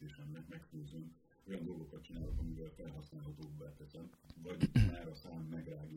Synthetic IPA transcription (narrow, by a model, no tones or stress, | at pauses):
eːʃɛmːɛkmɛkføːzøn | o̞jɒnd̪o̞lɡo̞kɒt̪t͡ʃinaːlokɒmivɛlfɛlɦɒsnaːlɦɒt̪oːbːat̪ɛsɛnvɒɟmaːɾɒsaːmːɛɡraːɡ